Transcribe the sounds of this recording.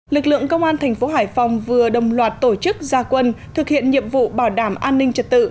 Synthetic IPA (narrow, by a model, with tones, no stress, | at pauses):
lɨ˨˩k̚lɨ̰˧˨əŋkə˧wŋ͡mʔaː˧nt̪ʰɛ˨˩ŋ̟fo˨˦ɦaː˧˩jfa˨˩wŋ͡mvɨ˨˩əɗə̰˧˨wŋ͡mlwaː˨˩t̚t̪o˧˩t͡ɕɨ˦˥k̚zaː˧kwə˧nt̪ʰɨ˨˩k̚hḭ˧˨ənɲḭ˧˨əmvṵ˧˨ɓaː˧˩wɗaː˧˩mʔaː˧nːï˧ŋ̟t͡ɕə˨˩t̚t̪ɨ̰˧˨